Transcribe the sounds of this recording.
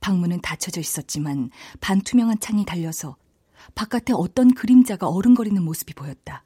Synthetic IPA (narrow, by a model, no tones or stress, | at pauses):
paŋmunɯntat͡ɕʰʌd͡ʑʌis͈ʌt̚t͡ɕ͈imanpantʰumjʌŋɦant͡ɕʰaŋitaʎːʌsʰʌ | pak͈atʰe̞ʌt͈ʌnkɯɾimd͡ʑaɡaʌɾɯnɡʌɾinɯnmosʰɯ̥bipojʌt̚t͈a